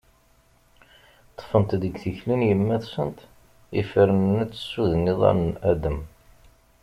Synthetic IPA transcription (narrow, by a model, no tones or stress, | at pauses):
t̪ˤːfənt̪ðəɡθəçlinjəmːæðsənt̪ | ifəɾənnæt͡sːə̥sːuðənːiðˤɑ̰ɾnæd̪əm